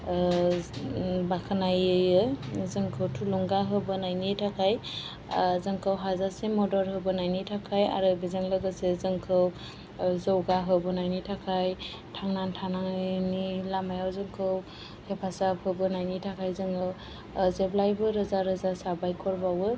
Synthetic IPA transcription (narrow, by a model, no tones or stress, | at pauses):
bakʰanajɯɯzɯŋkʰɯwtʰulɔŋɡaɦɯbɯnajnitʰakʰaj | zɯŋkʰɯwɦazasemɔdɔɾɦɯbɯnajnitʰakʰaja̰ɾɯbizɯŋlɯɡɯsezɯŋkʰɯw | zɔwɡaɦɯbɯnajnitʰakʰaj | tʰaŋnantʰanaŋnilamajawzɯŋkʰɯw | hepʰasapʰhɯbɯnajnitʰakʰajzɯŋʰɯw | zeblajbɯɾɯzaɾɯzasabajkʰɔɾbawɯ